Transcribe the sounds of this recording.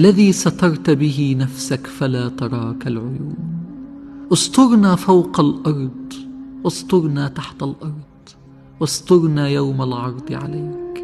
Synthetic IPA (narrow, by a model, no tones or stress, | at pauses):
ʔalːaðiːsɑt̪ɑɾˤt̪bɪɦɪnafsakfalaːt̪ɑɾˤɑːkalʕʊjuːn | ʔʊst̪ˤʊɾnaːfawqalʔɑɾˤd̪ˤwɑst̪ˤʊɾnaːt̪aħt̪alʔɑɾˤd̪̥ˤ | wɑsˤt̪ʊɾnaːjawmalʕɑɾˤd̪ˤʕa̰laːk